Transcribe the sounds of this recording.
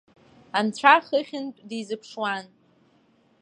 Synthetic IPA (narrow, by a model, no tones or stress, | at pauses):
ant͡ɕʷʰaχəχʲɪntʷʼdizɨpʰʂwan